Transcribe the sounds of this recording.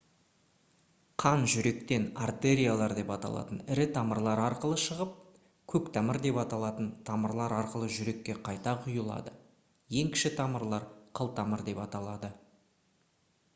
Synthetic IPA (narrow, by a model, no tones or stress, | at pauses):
qʰɑnʒʏɾe̞kt̪e̞nart̪e̞ɾʲijalˠɑɾd̪e̞pɑt̪ɑ̰lˠɑ̰t̪ənɪɾɪt̪ʰɑməɾlˠɑɾɑɾqəlˠəʃəʁəp̚ | kʲʰɵkt̪ʰɑməɾd̪e̞pɑt̪ɑlˠɑt̪ənt̪ʰɑməɾlˠɑɾɑɾqəlˠəʒʏɾe̞kʲːe̞qʰɑjt̪ɑqʰʊjəlˠɑ̰d̪ə | je̞ŋkʲɪ̥ʃɪt̪ʰɑməɾlˠɑɾqʰəlˠt̪ʰɑməɾd̪e̞pɑt̪ɑlˠɑd̪ə